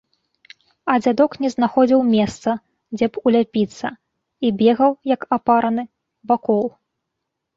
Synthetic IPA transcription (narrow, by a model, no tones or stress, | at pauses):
ɐd͡zʲad̪ɔknʲɛznaxɔd͡zʲiwmʲɛst̪sɐ | d͡zʲɛpulʲapʲit̪sːɐ̰ | ibʲɛɣɐwjɐkapaɾɐnɨ | vakɔlˠ